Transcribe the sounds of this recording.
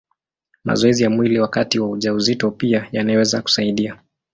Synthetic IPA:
ma̰zɔɛzijamwiliwakatiwauʄauzitɔpiajanawɛzaku̥saiɗia

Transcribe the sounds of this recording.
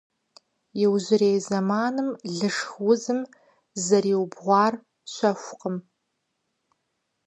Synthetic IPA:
jɪwʒʷɪrejzɐmaːnɨmɮɨʂxwʊzɨm | zɐɾiːwbʁʷɑːr | ɕʷɐxʷʊqəm

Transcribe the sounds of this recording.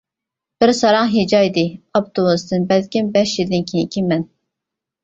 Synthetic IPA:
b̥ɪɾsɑɾɑŋɦed͡ʒɑid̪ɪɑp̚t̪ʰomust̪ɨnbɛlkʲʰinbɛʃjild̪ɪnkʲʰinikʲʰimːɛn

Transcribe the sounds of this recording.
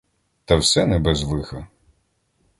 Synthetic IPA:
t̪ɐwsɛnɛbɛzʋˠɪxɐ

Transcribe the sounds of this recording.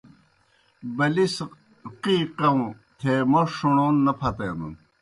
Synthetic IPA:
bɐlis | qiqɐũ | t̪ʰeːmoʂuɳoːnːɐpʰɐt̪enṵn

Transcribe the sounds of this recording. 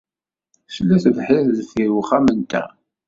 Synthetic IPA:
slːæθvħɪɾðθiɾwuχæmənt̪æ̰

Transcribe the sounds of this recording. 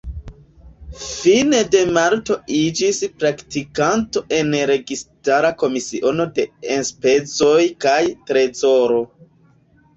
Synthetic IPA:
fine̞de̞maɾto̞id͡ʒispɾaktikanto̞ʔe̞nɾe̞ɡistaɾako̞misiʔo̞no̞de̞enspe̞t͡so̞jkajtɾe̞zo̞ɾo̞

